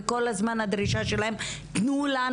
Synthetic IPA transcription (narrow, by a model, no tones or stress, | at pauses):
kolazmanad̪ɾiʃaʃɛlaɛmt̪nula